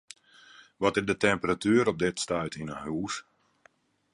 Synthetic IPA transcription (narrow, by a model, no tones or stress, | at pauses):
ʋɔtɪrdətɛmpəratyːɾɔp̚dɪtstœɥtʰinəhuːs